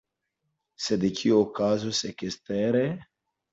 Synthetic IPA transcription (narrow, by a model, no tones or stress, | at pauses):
sed̪ekʰiokazosekest̪ɛɾe